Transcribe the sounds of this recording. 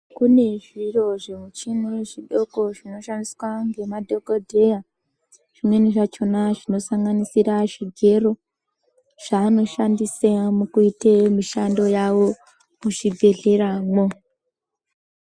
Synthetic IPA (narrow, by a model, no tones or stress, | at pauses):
kune̞ʐiro̞ʐemut͡ʃinuʐiɗo̞ko̞ʐino̞ʃandiswaŋɡe̞madʱo̞kodʱe̞ja | ʐ̥imwe̞niʐat͡ʃo̞naʐino̞saŋɡanisiɾaʐiɡʱe̞ro̞ | ʐ̥aːno̞ʃandisamukuitemiʃando̞jawo̞ | muʐibʱe̞ɮe̞ɾaːmo